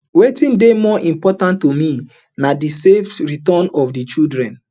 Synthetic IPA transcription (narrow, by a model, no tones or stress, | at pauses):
wetĩndemɔʔĩmpɔtãntːomi | nadiseftɹitɔnɔfdit͡ʃidɹɛ̃n